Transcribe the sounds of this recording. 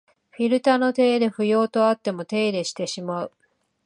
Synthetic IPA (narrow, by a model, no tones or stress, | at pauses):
ɸʲiɾɯ̟t̪ano̞t̪e̞ːd̪e̞ɸɯ̟jo̞ːt̪o̞at̪ːe̞mo̞t̪e̞ːd̪e̞ɕi̥t̪e̞ɕimaɯ̟